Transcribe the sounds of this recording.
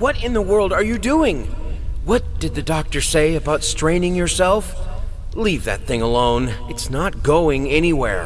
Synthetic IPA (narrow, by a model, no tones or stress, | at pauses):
wʌɾɪ̃nðəwɜ˞lˠdə˞jɨduɪ̃ŋwʌt̚d̥ɨd̪̚ðɨdɔk̚tə˞seɪɨbaʊtstɹ̥ẽɪ̃nɪ̃ŋjə˞sɛlˠf | livðɨ̰t̪̚θɪ̃ŋəlõʊ̃n | ɨtsnət̚ɡ̥oʊɪ̃ŋɛñiwɛ̰ɹ